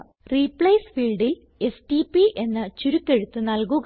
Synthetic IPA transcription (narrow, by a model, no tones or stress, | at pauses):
ripːɭɐjsfiːɭɖil | e̞sʈipiʔe̞nːɨt͡ɕuɾukːe̞ɻut̪ːɨnɐlkuɣ